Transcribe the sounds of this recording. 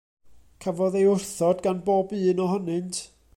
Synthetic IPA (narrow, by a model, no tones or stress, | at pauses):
kʰavɔðejʊrθɔdɡanboːbɨːnɔɦɔnɨntʰ